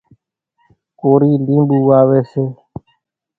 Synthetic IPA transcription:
koːɾiːlĩːmbuːaːʋeːseː

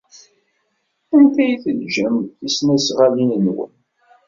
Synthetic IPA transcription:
ænt̪æjθəlʒæmθisnæsʁalinənwə̰n

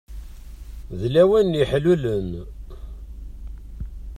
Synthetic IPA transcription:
ðlæwænjiħlulən

